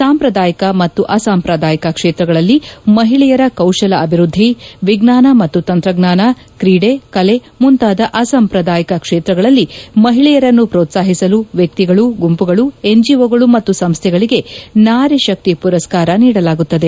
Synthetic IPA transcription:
saːmpɾɐd̪aːjɐkɐmɐt̪ːuʔɐsaːmpɾɐd̪aːjɐkɐkʂeːt̪ɾɐɡɐɭɐlːimɐɦiɭɛjɐɾɐkɐwʃɐlɐɐbʱiɾud̪ʱːiʋiɡnaːnɐmɐt̪ːut̪ɐnt̪ɾɐɡnaːnɐ | kɾiːɽe̞kɐle̞ | munt̪aːd̪ɐʔɐsɐmpɾɐd̪aːjɐkɐkʂeːt̪ɾɐɡɐɭɐlːimɐɦiɭɛjɐɾɐnːupɾoːt̪saːɦisɐluʋjɐk̚t̪iɡɐɭuɡumpuɡɐɭueɲd͡ʒiʋoːɡɐɭumɐt̪ːusɐmst̪ʰjɛɡɐɭiɡe̞naːɾiʃɐk̚t̪ipuɾɐskaːɾɐniːɽɐlaːɡut̪ːɐd̪e̞

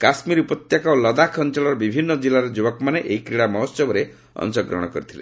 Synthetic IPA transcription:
kasmiɾupɔt̪jakɔlɔd̪akʰɔnt͡ʃalɔɾɔbibʱinːɔd͡ʒilːaɾed͡ʒubɔkɔmaneʔeikɾiɽamɔɦɔsɔbɔɾe | ɔ̰nsɔɡɾɔ̰ɽ̃ɔkɔɾit̪ʰilḛ

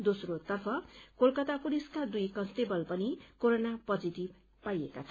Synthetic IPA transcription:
d̪osrot̪ʌrpʰʌkolkʌt̪akuɽiskad̪ujkʌnst̪ebʌlpʌnikoɾonapʌd͡zit̪ib̚ | pajekat͡sʰʌ

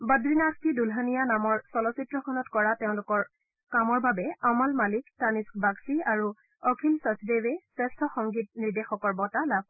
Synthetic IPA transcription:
badɹinaskidulɦanijanamɔɹsɔlɔsitɹɔkʰɔnɔtkɔɹateʊ̃lʊkɔɹ | kamɔɹbabɛamalmaliktaniskbaksiaɹu | ɔkʰilsɔsidewɛsɛstʰɔxɔŋɡit̚niɹdexɔkɔɹbɔtalab̚

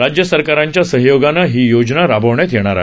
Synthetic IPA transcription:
ɾad͡ʑjəsəɾkaɾaɲt͡ɕjasəɦjoɡanːaɦiːjod͡ʑnaɾabʱəʋɳjat̪jeɽ̃aɾa̰

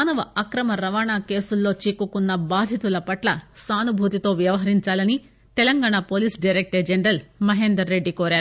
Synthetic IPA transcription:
nɐʋɐɐkɾɐmɐɾɐʋaːɳaːke̞ːsulːo̞ːt͡ʃikːukunːɐbaːd̪ʱjit̪ulɐpɐʈlɐsaːnubʱuːt̪it̪o̞ːʋjɐʋɐɦɐɾiɲt͡ʃaːlɐni | t̪ɛlɐŋɡaːɳaːpoːliːsɖɐjɾek̚ʈɐd͡ʒenɾɐlmɐɦeːnd̪ɾɐɾːe̞ɖːikoːɾaːɾu

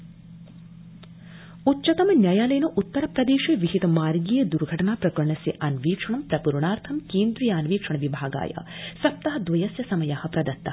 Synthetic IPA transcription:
utːt͡ʃɐt̪ɐmɐnjajaːlɐjɐnɐʔut̪ːɐɾɐpɾɐd̪eːʃeʋiɦit̪ɐmaːɾɡiːjɐd̪uɾɡʱɐʈɐɳaːpɾɐkɐɾɳɐsjɐʔɐnʋiːkʂɐɳɐmpɾɐpuɾɳaːɾt̪ʰɐmkeːnd̪ɾijaːnʋiːkʂɐɳɐʋibʱaːɡa̰ːjɐ̰sɐp̚t̪ɐɦɐd̪ʋɐjɐsjɐsɐmɐjaːhɐ̆pɾɐd̪ɐt̪ːɐɐ

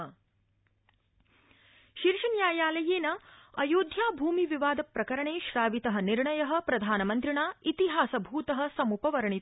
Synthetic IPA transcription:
ʃiɾʂɐnjaːjaːlɐjeːnɐɐjoːd̪ʱjaːbʱuːmiʋiʋaːd̪ɐpɾɐkɐɾɐɳeːʃɾaːʋit̪ɐɦɐ̆niɾɳɐjɐɦɐ̆pɾɐd̪ʱaːnɐmɐnt̪ɾiɳaːit̪iɦaːsɐbʱuːt̪ɐɦɐ̆sɐmupɐʋɐɾɐɳit̪

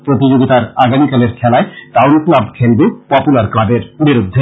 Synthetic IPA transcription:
pɾot̪id͡ʑoɡit̪aɾaɡamikaleɾkʰɛlaeʈawnklabkʰelbupɔpulaɾklabeɾbiɾud̪ʱːe

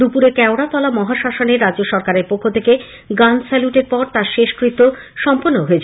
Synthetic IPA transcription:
d̪upuɾekɛoɽat̪ɔlamɔɦaʃaʃoneɾadd͡ʑoʃɔɾkaɾeɾpokʰːot̪ʰeke | ɡansɛluʈeɾpɔɾt̪aɾʃeʃkɾit̪o | ʃɔmponːoɦoet͡ɕʰ

